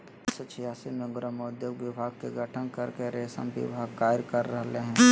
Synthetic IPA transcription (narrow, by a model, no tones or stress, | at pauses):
sot͡ʃʰijaːsimẽɡɾəmod̪joɡʋɪbʱaːɡ̚keɡʱəʈʰənkəɾkeɾeːsə̰̃mbɪ̰bʱaːɡkaːɪɾkɐɾːəɦleɦɛ̃ː